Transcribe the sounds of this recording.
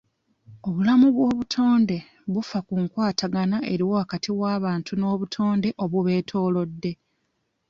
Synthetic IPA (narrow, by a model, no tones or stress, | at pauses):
o̞βulamuβwo̞ːβutʰo̞ːnde̞ | βufakuŋkwaːtaɡanaʔe̞ɾiwoakatʰiwaːβaːntʰuno̞ːβutʰo̞ːnde̞ʔo̞βuβe̞ːtʰo̞ːlo̞dːe̞